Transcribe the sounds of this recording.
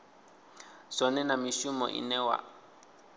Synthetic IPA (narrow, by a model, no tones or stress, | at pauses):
sɔnɛnamiʃumɔ̰ʔḭnɛwa̰